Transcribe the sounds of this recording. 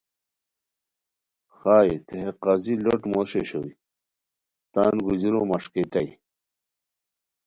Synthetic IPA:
xaːjt̪ʰeɦeqɑziloʈmoɕeɕowi | t̪aːnɡud͡ʑɾomɐʂket̪ɐj

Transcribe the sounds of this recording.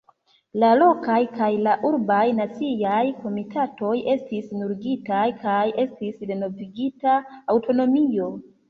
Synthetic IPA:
lalo̞kajkajlaʔuɾbajnat͡sijajko̞mitʰato̞je̞stisnuɾɡitajkaje̞stisde̞no̞viɡitaːwto̞no̞mio̞

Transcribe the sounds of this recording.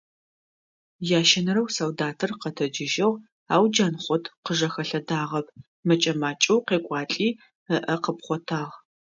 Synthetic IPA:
jaːʃɐnɐɾɐwsɐwdaːtʰɨrqɐtʰɐd͡ʒɪʒɐʁ | aːwd͡ʒaːnχʷɔtʰqəʒɐxɐɬɐdaːʁɐp̚ʰ | mɐt͡ʃʼɐmaːt͡ʃʼɐwqeːkʷʼɑːt͡ɬʼiː | əʔɐqəpχʷɔtʰaːʁ

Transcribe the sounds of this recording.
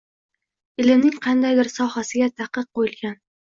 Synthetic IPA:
ɪlɪmnɪŋqʰɑnd̪ajd̪ɪɾsɒhasɪɡʲat̪ʰɑqɨq̚qːojɪlˠɡʲan

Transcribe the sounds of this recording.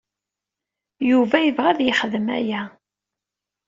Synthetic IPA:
juvæjəvʁæðjəχəðəmæ̰jæ

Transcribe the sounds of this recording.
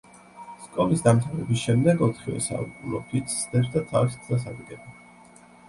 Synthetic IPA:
skʼɔlisd̪amt̪sʰavɛbisʃɛmd̪ɛɡɔt̪ʰχivɛ̰sa̰lkʼulɔkʰit̪sʰsd̪ɛsd̪at̪ʰaviskʰzas̬akid̪ʼɛba

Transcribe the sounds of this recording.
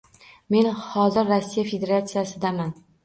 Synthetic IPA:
me̞nhɒzɪɾːasːijafe̞d̪e̞ɾat̪sijasɪd̪aman

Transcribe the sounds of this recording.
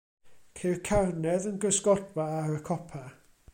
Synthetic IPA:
kʰɛɹkʰaɹnɛðənɡəsɡɔd̚baaɹəkʰɔpʰa

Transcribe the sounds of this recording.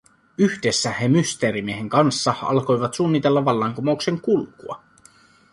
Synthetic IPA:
yhde̞sːæhemyst̪e̞ːɾimieɦe̞ŋkɑnsːɑɑ̰lko̞jʋɑt̪suːnːit̪e̞lːɑʋɑlːɑŋkumoukse̞ŋkulkuɑ̰

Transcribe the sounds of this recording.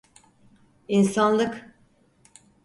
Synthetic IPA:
insanlˠɯk

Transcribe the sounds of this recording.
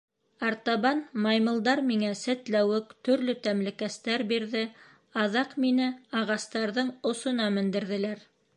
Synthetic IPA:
ɑɾt̪ɑβɑnmɑjmɤ̆lˠd̪ɑɾmiŋæsæt̪læwɘkt̪ɵ̆ɾlɵt̪æmlɘ̆kæst̪æɾbiɾðɘ | ɑðɑqminɘɑʁɑst̪ɑɾðɤɴŏsŏnɑmɘ̆nd̪ɘ̆ɾðɘ̆læɾ

